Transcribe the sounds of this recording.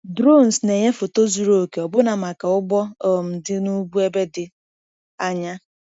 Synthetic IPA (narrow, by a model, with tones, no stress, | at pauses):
dɾo˦˨n˨sne˨ɲe˦fo˨to˦zu˨ɾo˨ke˨ɔ˨bʊ˦na˨ma˨ka˨ʊ˦ɡ͡bɔ˦ɔ˨m̩˨dɪ˦nu˦bu˦e˦be˦dɪ˨ | a˨ɲa˦